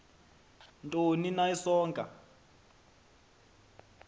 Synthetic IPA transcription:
ntʼoninaisɔːŋkʼa̰

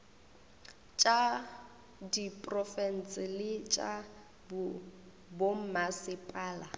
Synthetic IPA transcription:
t͡ʃʼa | dipʼrɔfɛn̩t͡sʼɪlɪt͡ʃʼa | b | bom̩masɪpʼaːla

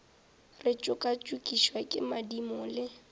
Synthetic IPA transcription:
rɪt͡ʃʼʊkʼat͡ʃʼukʼiʃwakʼɪ̰madimɔlɪ

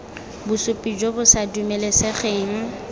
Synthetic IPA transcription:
bʊsʊpʼid͡ʒobʊsadumeleseχeːŋ̩

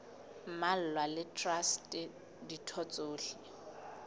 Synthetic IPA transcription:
mal̩lwalɪtʰʼrastʼɛ | ditʰɔt͡sʼoːɬi

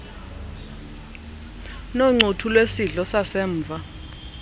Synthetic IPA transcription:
noŋ͡ǀʱutʰulwesiɮɔsasɛːɱːvʱa

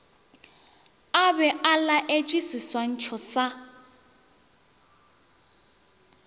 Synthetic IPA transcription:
abɛʔalaʔet͡ʃʼwisiswan̩t͡ʃʰɔsa

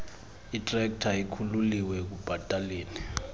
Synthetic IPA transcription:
itʼrɛk̚tʰaikʰululiwɛk̬ub̥ʱatʼaleːni

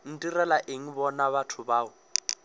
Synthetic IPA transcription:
n̩tʼirɛlaʔeŋ̩bɔnaβatʰʊbaːʊ

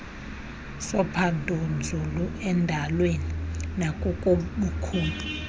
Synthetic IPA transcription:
sɔpʰandʱʼund͡zʱuluɛndʱalweninakʼukʼoɓukʰuːmbʱi

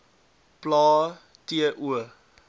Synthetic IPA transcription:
plaː | tiəʔuə

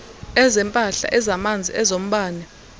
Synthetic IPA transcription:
ɛzɛmpʼaɬa̰ʔɛzamand͡zʱḭɛzom̩ɓaːnɛ

